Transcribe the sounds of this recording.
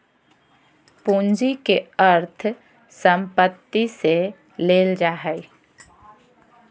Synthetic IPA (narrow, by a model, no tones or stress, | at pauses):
pũnd͡ʒikeəɾt̪ʰ | səmpət̪ːise | leːld͡ʒaːɦɛj